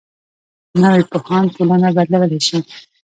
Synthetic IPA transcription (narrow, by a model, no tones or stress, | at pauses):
nawepohɑnt̪olanabad̪lawəlaʃi